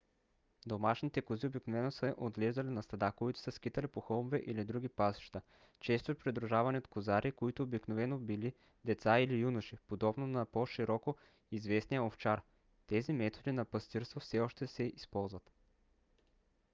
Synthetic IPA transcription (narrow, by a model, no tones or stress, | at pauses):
d̪omaʃnit̪ɛkoziobiknovɛnosəʔod̪lɛʒd̪ɐlinɐst̪ɐd̪akoit̪ʊ̥səskit̪ɐlipoxəlˠmovɛʔilid̪ɾuɡipasi̥ʃt̪ə | t͡ʃɛst̪opɾid̪ɾuʒavɐniot̪kozaɾʔikoit̪oobiknovɛnobili | d̪ɛt̪sailijunuʃipod̪ɔbnonɐpoʃiɾɔko | izvɛsnijaoft͡ʃaɾ | t̪ɛzimɛt̪od̪inɐpɐst̪iɾst̪vofsɛɔʃt̪ɛsɛispɔlˠzvɐt̪